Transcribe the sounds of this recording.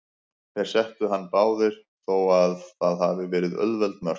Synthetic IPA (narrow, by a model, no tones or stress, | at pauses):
θɛɾ̥sɛht̪ʏɦanːpaːwðɪɾ̥ | θowaðθaðhavɪvɛːɾɪðœ̰ðvɛlt̪mœr̥